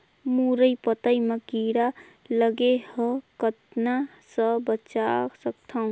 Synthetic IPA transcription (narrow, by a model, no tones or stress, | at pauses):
muɾəipət̪əiməkiɾa | ləɡehəkət̪na | səbət͡ʃaksək̚t̪ʰaũ